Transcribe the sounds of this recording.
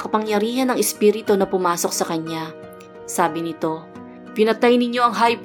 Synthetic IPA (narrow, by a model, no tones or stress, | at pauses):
kɐpɐŋjɐɾiːhɐnɐŋɛspiːɾɪt̪o̞nɐpʊmaːso̞k̚sɐkɐɲa | saːbɪnɪt̪o̞ | pɪnɐt̪ajnɪɲjo̞ʔɐŋɦajp